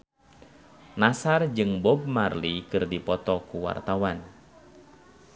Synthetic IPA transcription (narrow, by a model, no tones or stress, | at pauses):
nasard͡ʒɨŋbɔb̚marlikɨrdipɔt̪ɔkuwa̰rt̪awan